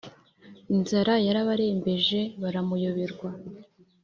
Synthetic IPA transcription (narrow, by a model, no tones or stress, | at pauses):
inzaɾajaɾaβaɾeːmbe̞ʒe̞βaɾamujoβiɾɡwa